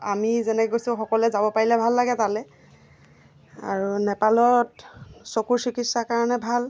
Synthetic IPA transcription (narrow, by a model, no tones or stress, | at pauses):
amizɛnɛkkojsʊxɔkɔlɛzabɔpaɹilɛbʱalːaɡɛtalɛ | a̰ɹunɛpalɔtsokuɹsikisakaɹɔnɛbʱal